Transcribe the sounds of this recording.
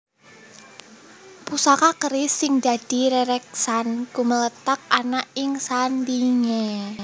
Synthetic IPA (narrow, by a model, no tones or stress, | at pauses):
pusakakəɾɪsːɪŋd̪̥a̤d̥i̤ɾɛɾɛk̚sankumələt̪ak̚anaʔɪŋsanliŋe